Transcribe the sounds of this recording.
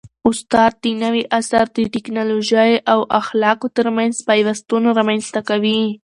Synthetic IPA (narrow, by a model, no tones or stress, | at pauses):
ʊst̪ɑd̪̚d̪ənawiʔasaɾd̪əʈɪknɑloʒajawʔaxlɑkot̪əɾmanzpɑjwast̪unoɾamanst̪akawi